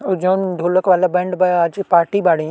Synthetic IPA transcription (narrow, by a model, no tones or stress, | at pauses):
ʊd͡ʑoːnd̪ʱoːləkʋaːlabɐ̃ːɳɖbɐad͡ʑpaːɾʈibaːɽĩ